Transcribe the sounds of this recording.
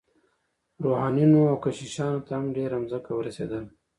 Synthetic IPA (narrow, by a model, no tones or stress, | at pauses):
ɾohɑnjunoawkaʃiʃɑnot̪ahamɖeɾamzəkawəɾasḛd̪əl